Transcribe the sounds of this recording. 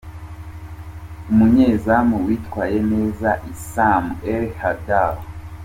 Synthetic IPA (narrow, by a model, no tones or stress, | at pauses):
umuɲeːzamuwiːtkwaːje̞ne̞ːzaʔisameɾhadal